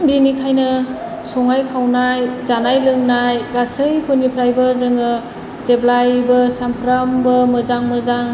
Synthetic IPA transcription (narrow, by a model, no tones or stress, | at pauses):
mbinikʰajnɯ | sɔŋajkʰawnajzanajlɯŋnajɡasɯjpʰunipʰɾajbɐzɯŋɯ | z̥eblajbɐsampʰɾambɐmɯzaŋmɯzaŋ